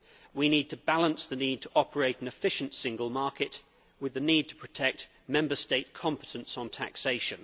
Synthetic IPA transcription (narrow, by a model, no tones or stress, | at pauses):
winiːd̚tʰəbalə̃nsðəniːd̚tʰəʔɒpʰəɹeɪtən̩ɪfɪʃə̃ntsɪ̃ŋɡəlˠmɑˑkɪt | wɪðəniːd̚tʰə̥pʰɹ̥ətʰɛk̚t | mɛ̃mbəsteɪt̚kʰɒ̃mpə̥tʰə̃nsn̩tʰæ̰kseɪʃə̃n